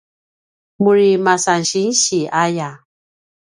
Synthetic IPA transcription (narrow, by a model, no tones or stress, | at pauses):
muɾimasanʃin̩ʃiʔaja